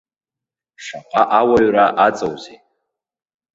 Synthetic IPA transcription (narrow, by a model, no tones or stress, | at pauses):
ʂaqʼaʔawaɥraʔat͡sʼowze